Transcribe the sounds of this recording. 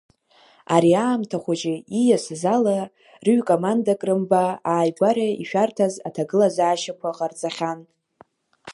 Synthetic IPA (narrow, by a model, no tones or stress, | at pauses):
aɾiaːmtʰaχʷad͡ʒʼɪijasɨzala | rɨɥkʼomandakʼrɨmbaaːjɡʷaɾaiʃᶣartʰazatʰaɡɨlazaːʃakʷʰaqʼart͡sʼaχʲan